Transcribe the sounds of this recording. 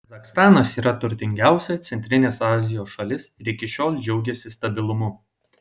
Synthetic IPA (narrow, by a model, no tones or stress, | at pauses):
kɐzɐkst̪ɑːnɐsiːɾɐt̪ʊɾʲt̪ʲɪŋʲɡʲæˑʊsʲɛt̪sʲɛnʲt̪ʲɾʲɪnʲeːsɑːzʲɪjoːsʃɐlʲɪsɪɾɪkʲɪʃʲoːlʲˠd͡ʒʲɛʊɡʲɛsʲɪst̪ɐbʲɪlˠʊmʊ